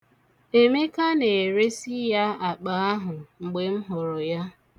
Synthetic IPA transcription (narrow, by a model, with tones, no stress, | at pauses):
e˨me˦ka˦ne˨ɾe˦si˦ja˦a˨k͡pa˨a˦ɦʊ˨ŋ͡m̩˨ɡ͡be˨m̩˦ɦʊ˨ɾʊ˨ja˦